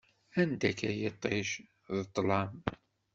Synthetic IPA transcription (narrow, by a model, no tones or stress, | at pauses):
ænd̪ækæjət̪ˤːeʃ | ðət̪ˤːlɑm